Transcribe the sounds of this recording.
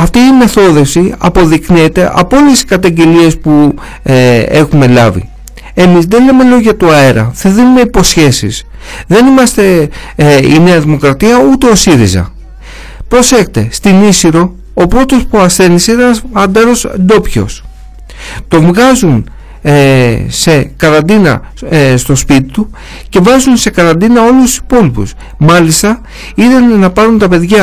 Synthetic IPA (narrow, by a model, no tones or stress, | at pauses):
ɐft̪iːme̞θo̞ðe̞fsiɐ̰po̞ðikniet̪e̞ʔɐ̰poolesi̥kɐt̪ɐɲɟe̞lie̞spu | e̞xume̞lɐvḭ | e̞mizðele̞me̞lo̞ʝɐt̪uɐe̞ɾɐ̰θiðinumeipo̞sçe̞sis | ðe̞nimɐst̪e̞ | ine̞ɐðimo̞kɾɐt̪iɐut̪e̞o̞siɾizɐ̰ | pɾo̞se̞xt̪e̞st̪inisiɾo̞ | opɾo̞t̪o̞spuɐsθe̞niseineɐnd̪ɐɾo̞sd̪o̞pço̞̰s | t̪o̞ɱvɣɐzun | se̞kɐɾɐnd̪inɐ̰ | st̪o̞spit̪it̪u | ce̞vɐzunse̞kɐɾɐnd̪inɐo̞lust̪u̥si̥po̞lipṵs | mɐlist̪ɐ | iðenːɐpɐɾunt̪ɐpe̞ðʝɐ